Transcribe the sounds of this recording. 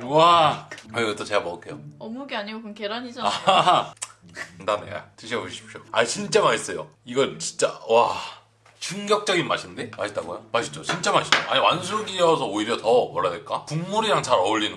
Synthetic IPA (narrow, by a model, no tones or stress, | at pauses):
kɾɡakɯɡʌt͈ot͡ɕeamʌkʰejoʌmuɡeaɲiɡokɯnkeɾaɲid͡ʑoa | ndanḛa̰tɯɕʰʌboɕʰi̥p̚ɕ͈oat͡ɕint͡ɕ͈amaɕʰis͈ʌjo̰ | iɡʌnt͡ɕint͡ɕ͈a̰wa | t͡ɕɯŋɡjʌk̚t͡ɕ͈ʌɡinma̰ɕʰindemaɕʰitt͈aɡojomaɕʰi̥d͡ʑ͈ot͡ɕint͡ɕ͈amaɕʰi̥d͡ʑoʔa̰ɲiwans̬ʰuɡiʌsʰʌoiɾjʌtʌmʌɭːadeɭk͈apuŋmuɾiɾaŋt͡ɕaɾʌuʎːinɯ